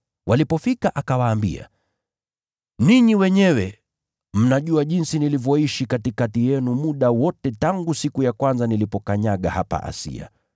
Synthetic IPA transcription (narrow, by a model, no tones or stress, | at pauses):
wʔalipɔfikaʔakawaːmbḭa̰ | niɲiwɛɲɛwɛ | m̩naʄuaʄinsinilivjɔiʃikatikatijɛnumuɗawɔtɛtaŋɡusikujakwanzanilipɔkaɲaɠa̰hapa̰ʔa̰sḭa̰